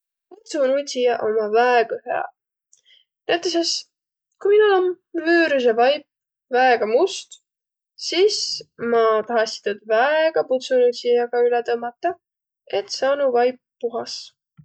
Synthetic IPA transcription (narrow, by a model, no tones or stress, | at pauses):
put̪sunusijɑʔo̞mɑvæeɡɑhḛɑ̰ | næt̪ːˑes̬es | kujminulom | vyːɾus̬evɑjp | væeɡ̥ɑmust̪ | siːsmɑt̪ɑɦɑst̪it̪ud̪̥væeɡ̥ɑput̪sunusʲijɑɡ̥ɑylet̪ɤmːɑt̪ːˑɑ | e̞t̪sɑːnuvɑjp̚ːuɦɑs